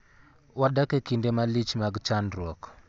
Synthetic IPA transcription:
waɗakekindemalit͡ʃmaɡt͡ʃandɾɔk

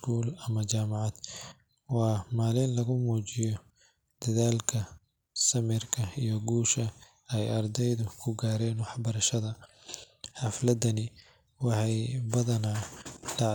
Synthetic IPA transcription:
kʰuːlɐmɐt͡ʃaːmɑʕɑd̪̥ | wɑːmaːlɪnlɐɣʊmuːt͡ʃɪjɔ | d̪̥ɐðaːlkʰɐ | sɐmɪrkʰɐijɔɡuːʃɐ | ɛjɐrd̪ɛjðʊkʰʊɡaːɾɛːnwɑħbɐɾɐʃɐðɐ | ħɑflɐd̪ɐnɪ | wɑħɑjbɐðɐnalɑ

